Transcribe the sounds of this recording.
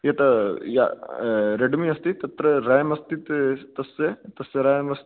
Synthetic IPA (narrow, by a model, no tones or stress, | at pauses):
jɐʈɐja̰ | ɾeɖmiɐst̪it̪ɐt̪ɾɐɾajmɐst̪it̪t̪ɐset̪ɐseɾajmɐst̪